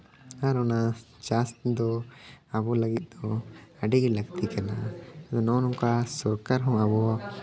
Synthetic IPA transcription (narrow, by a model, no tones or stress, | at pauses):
aɾɔnat͡ʃast̪d̪ɔɐbɔlɐɡit̪̚ˀd̪ɔɐɖiɡlɐɡt̪ikɛnad̪ɔnɔnuŋkasɔɾkaɾɦɔ̃abɔ